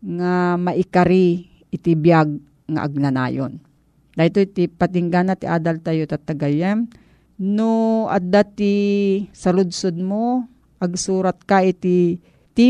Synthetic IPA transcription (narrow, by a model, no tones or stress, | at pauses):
ŋamaʔɪkaɾi | ɪt̪ɪbjaɡ̚ | ŋa̰ʔa̰ɡ̚nana̰ːjo̰n | d̪aːjt̪ot̪ɪpat̪ɪŋɡanat̪ɪʔa̰ːd̪alt̪ajot̪at̪ːaɡajɛm | noʔa̰d̪at̪isɐlʊd̪sod̪̚mo | ʔɐɡsuːɾat̪̚kaɪt̪ɪ | t̪i